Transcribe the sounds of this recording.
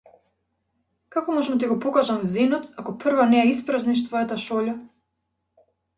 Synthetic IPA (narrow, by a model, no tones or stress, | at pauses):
kakɔmɔʒɛmt̪iɡɔpɔkaʒamzinɔt̪akɔprvanɛɛispɾazniʃ̬t̪vɔjat̪aʃɔʎa